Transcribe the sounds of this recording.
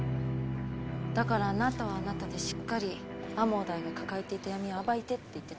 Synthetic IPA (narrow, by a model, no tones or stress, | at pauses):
d̪̥akaɾaːnat̪aβ̞aːnat̪ad̪e̞ɕi̥kːaɾʲiamo̞ːd̪aiɡakakaet̪e̞it̪ajamʲioabait̪e̞t̪ːe̞it̪ːe